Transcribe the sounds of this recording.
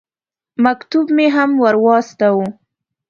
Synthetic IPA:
makt̪ubmeɦamwaɾwɑst̪awu

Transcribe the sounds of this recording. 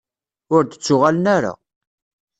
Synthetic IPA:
ʊɾd̪ə̥t͡sːʊʁalənæɾa̰

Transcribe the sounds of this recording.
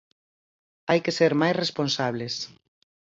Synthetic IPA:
ajkeseɾmajsresponsaβ̞les

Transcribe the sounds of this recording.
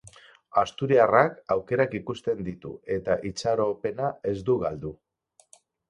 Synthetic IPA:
ast̪uɾiarakawke̞ɾakikust̪e̞nd̪it̪ṵe̞t̪aʔit͡saɾo̞pe̞nae̞zd̪uɣald̪u

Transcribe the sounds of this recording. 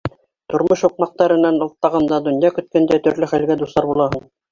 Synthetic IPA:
t̪ŏɾmoʃuqmɑq̚t̪ɑɾɤ̆nɑnŏlˠt̪ːɑʁɤ̆md̪ɑd̪ŏnjɑkɵ̆t̪̚kænd̪æt̪ɵ̆ɾlɵχælɡæd̪uslˠɑɾbulˠɑɦɤn

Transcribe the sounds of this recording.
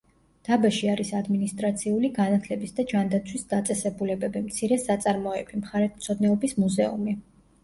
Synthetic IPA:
d̪̥abaʃiaɾisad̪minist̪ʼɾat̪sʰiuliɡanat̪ʰlɛbisd̪ad͡ʒand̪at̪sʰwisd̪̥at̪sʼɛsɛbulɛbɛbimt̪sʰiɾɛsat̪sʼaɾmɔɛb̥imχaɾɛt̪ʰmt̪sʰɔd̪nɛɔbismuzɛṵmi

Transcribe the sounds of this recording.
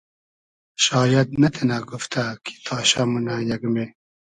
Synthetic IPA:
ɕɑːjad̪nat̪ʰenaɡuft̪ʰakʰi̥t̪ʰɑːɕamunajaɡme

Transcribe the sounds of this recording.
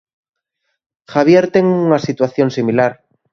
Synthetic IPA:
xaβ̞je̞ɾt̪e̞ŋuŋnasit̪waθjo̞nsimilaɾ

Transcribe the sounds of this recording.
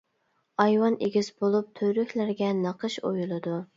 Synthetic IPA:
ɑjwɑnʔeɡʲiz̥bolˠup̚t̪ʰøɾykʲlæɾɡʲɛnəqʰəʃo̰julˠɨd̪u

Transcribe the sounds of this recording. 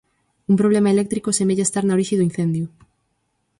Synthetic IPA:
umpɾoβ̞lemaelɛk̚t̪ɾikosemeʝast̪aɾnaoɾiʃiðoin̟θend̪jʊ

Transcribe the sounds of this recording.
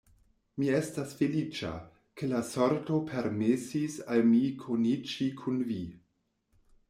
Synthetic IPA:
mie̞stasfelit͡ʃa̰ | kʰe̞lasoɾto̞pʰe̞ɾmesisalmikʰonit͡ʃikʰunvi

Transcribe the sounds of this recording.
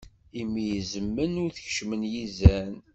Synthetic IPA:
imːijzəmːənʊɾθə̥çʃmənjizæn

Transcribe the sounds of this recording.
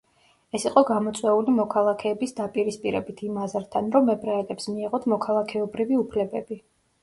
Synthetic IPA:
ɛsiqʼɔɡamɔt̪sʼwɛulimɔkʰalˠakʰɛːbisd̪apʼiɾispʼiɾɛbit̪ʰimazɾt̪ʰanɾɔmːɛbɾaɛlʼɛpsmiːʁɔt̪ʰmɔkʰalˠakʰɛɔbɾiviupʰlɛbɛbi

